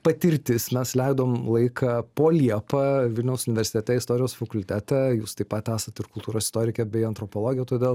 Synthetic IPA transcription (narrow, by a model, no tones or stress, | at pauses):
pɐt̪ʲɪɾʲt̪ʲɪsmʲɛslʲɛɪd̪oːmlˠɐɪkʰɐpoːlʲiɛpɐʋʲɪlʲnʲɛʊsʊnʲɪʋʲɛɾʲsʲɪ̥t̪ʲɛt̪ʲɛɪst̪oːɾʲɪjoːsfɐkʊlʲt̪ʲæt̪ʲɛjuːst̪ɐɪpɐt̪ʲæːsɐt̪ɪɾkʊlˠt̪uːɾoːsɪ̥st̪oːɾʲɪkʲɛbʲɛɪɐnt̪ɾopoːlˠoːɡʲɪjɛt̪oːd̪ʲeːlˠ